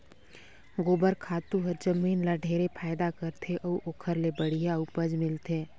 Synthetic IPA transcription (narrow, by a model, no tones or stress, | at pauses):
ɡoːbəɾkʰaːt̪uɦɐɾd͡ʒəmiːnlaɖʱeːɾepʰaːɪd̪akəɾt̪ʰeʔəuʔoːkʰəɾlebəɽ̤ijaʊpəd͡ʒmɪlt̪ʰeː